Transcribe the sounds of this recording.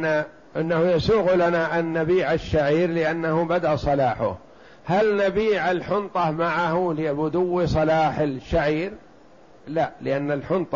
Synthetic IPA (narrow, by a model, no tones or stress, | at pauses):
a | ʔɪnːahʊjasuːɣlanaʔanːabiːʕaʃːaʕiːɾlɪʔanːahʊbad̪aʔsˤɑlaːħʊ̰h | halnabiːʕalħʊnt̪ˤɑmaʕahulɪbʊd̪ʊwːisˤɑlaːħɪlʃaʕiːɾ | laʔlɪʔanːalħʊnt̪ˤ